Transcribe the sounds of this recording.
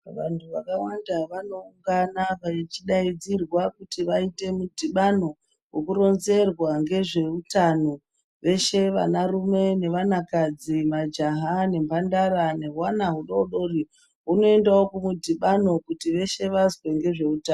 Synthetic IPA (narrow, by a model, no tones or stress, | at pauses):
ʋa̰ntuʋakawandaʋano̞uŋɡanaʋait͡ʃiɗaid͡zirwakutiʋaite̞mudʱiɓano̞ | wekuɾo̞nze̞rwaŋɡe̞ʐe̞utano | ʋe̞ʃe̞ʋa̰narume̞ne̞ʋanakad͡zimad͡ʒaɦane̞mbandaɾane̞ɦwanaɦuɗoɗo̞ri | uno̞endaokumudʱiɓano̞kutiʋe̞ʃe̞ʋazwe̞ŋɡe̞ʐe̞utan